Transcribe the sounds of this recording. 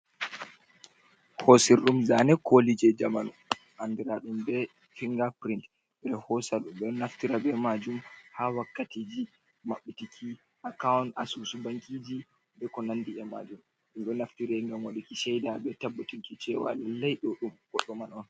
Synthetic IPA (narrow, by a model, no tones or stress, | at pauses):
hosiɾɗumzanɛkʰolid͡ʒɛd͡ʒamanu | ʔandiɾaɗumbɛ | fiŋɡapɾint | bɛɾɛhɔsaɗumɗɔnaftiɾabɛmad͡ʒumhawakːatiːd͡ʒi | maɓːitikʰi | akawna̰susubaŋkʰʼid͡ʒi | bɛkɔnanːdiɛma̰d͡ʒum | ɗumɗɔnaftiɾaŋɡamwaɗikiʃɛjdabɛtabːutinkit͡ʃɛwa̰lalajɗɔɗumɡ̥ɔɗːɔmanɔn